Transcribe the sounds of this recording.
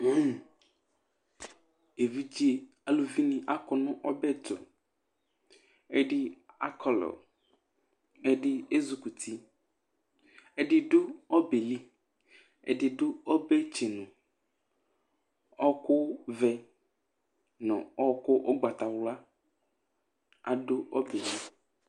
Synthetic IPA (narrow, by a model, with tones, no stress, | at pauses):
e˨vi˦d͡ʒi˦e˨ | a˨lu˨vi˦nĩ˨ʔa˦kɔ˨nʊ̃˦ʔɔ˦bɛ˦t̪o̰˨ | e˦ɖɪ˦a˦kʰɔ˨lɔ̰˨ | e˦ɖɪ˦e˦zu˨ku˨t̪ʰi˦ | e˦ɖɪ˦ɖʊ˦ɔ˦be˨li˦ | ḛ˦ɖɪ˨ɖʊ˦ɔ˦bɛ˦t͡ʃe˨nʊ̃˨ | ɔ˦kʊ˦vɛ˦ | nɔ̰̃˨ɔ˦kʊ˦ʔɔ˦ɡ͡ba˨t̪a˨wla˦ | a̰˨ɖʊ˦ɔ˦be˨li˦